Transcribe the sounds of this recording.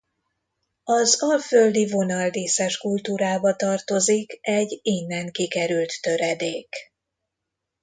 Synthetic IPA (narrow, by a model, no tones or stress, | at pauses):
ɒzɒlføld̪ivo̞nɒld̪iːsɛʃkult̪uːɾaːbɒt̪ɒrt̪o̞zikɛɟinːɛŋkikɛɾylt̪ːø̞ɾɛd̪eːk